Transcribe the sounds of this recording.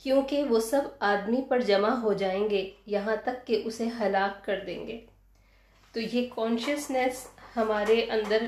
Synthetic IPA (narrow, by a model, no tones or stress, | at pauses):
kjõːkeʋosɐbaːd̪mipɐɾd͡ʒɐmaɦod͡ʒaːẽːŋɡejɐɦãt̪ɐkːeʔʊseɦɐlaːkːɐɾd̪ḛ̃ːŋɡeː | t̪oːjeːkɔːnʃəsnɛshɐmaːɾeʔɐ̃nd̪əɾ